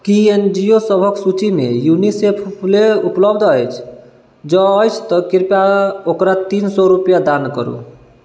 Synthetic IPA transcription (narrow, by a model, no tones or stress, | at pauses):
kiend͡ʒijosəbʱəksut͡ʃimḛjunisepʰleupləbd̪ʱəjt͡ʃʰ | d͡ʒɔːjt͡ʃʰt̪ɔkiɾpjaokɾat̪insɔɾupjad̪ankə̰ɾṵ